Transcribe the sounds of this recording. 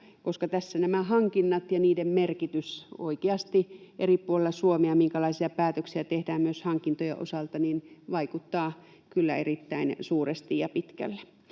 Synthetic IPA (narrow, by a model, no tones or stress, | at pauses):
koskɑt̪æsːænæmæhɑŋkinːɑt̪jɑniːdemmerkit̪yso̰ikeɑst̪iʔeripuolelːˑɑsuomeɑmiŋkælɑisiɑpæːt̪øksiæt̪ehdæːmmyøshɑŋkint̪ojḛʔo̰sɑlt̪ɑninʋɑikut̪ːɑː | kylːæ̰erit̪ːæinsuːrest̪ijjɑpit̪kæ̰lːe̥